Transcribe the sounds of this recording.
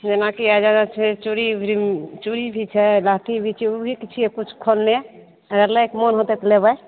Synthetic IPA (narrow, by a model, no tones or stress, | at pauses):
d͡ʒenakiad͡ʒanat͡ʃʰɛt͡ʃuɾibʱɾimt͡ʃuɾibʱit͡ʃʰɛlat̪ibʱit͡ʃʰɛubʱikit͡ʃʰiekut͡ʃʰkʰolne | ɾəlaekmɔnɦot̪ɛt̪lebəj